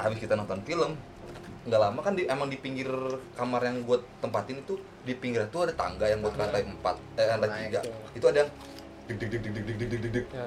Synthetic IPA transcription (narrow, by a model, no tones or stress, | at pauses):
ha̰bɪskit̪anɔnt̪ɔnfiləm | ŋɡalamakandiemaŋdipiŋɡɪrkamarjaŋɡuat̪ːəmpat̪ɪnit̪u | dipiŋɡɪɾat̪uadat̪a̰ŋɡajaŋɡuat̪̚kat̪ajəmpa̰t̪̚ːdat̪iɡait̪uadajaŋ | dk̚dɪk̚dɪk̚dk̚dɪk̚dɪk̚k̚dik̚dɪk̚dɪk̚